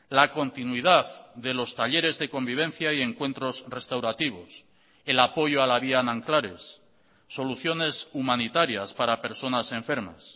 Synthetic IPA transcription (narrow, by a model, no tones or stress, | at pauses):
lako̞nt̪inwiðaððe̞lo̞st̪aʎe̞ɾe̞zðe̞ko̞mbiβ̞ẽ̞n̟θjaie̞ŋkwe̞nt̪ɾo̞zre̞st̪awɾat̪iβ̞o̞s | e̞lapo̞ʝoalaβianãŋklaɾe̞̰sː | o̞luθjo̞ne̞sumãnit̪aɾjaspaɾape̞ɾso̞nase̞ɱfe̞ɾma̰s